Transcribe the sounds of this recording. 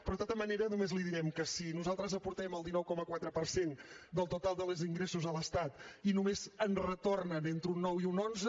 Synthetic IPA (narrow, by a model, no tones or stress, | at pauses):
pɾɔðt̪at̪əməneɾənumezliðiɾɛmkəsinuzalˠt̪ɾəzəpuɾt̪ɛməlˠd̪inɔwkɔməkwat̪ɾəpəɾsend̪əlˠt̪ut̪alˠd̪əlˠəziŋɡɾesuzələst̪at̪inumezənrət̪ornənent̪ɾunːɔwiunonzə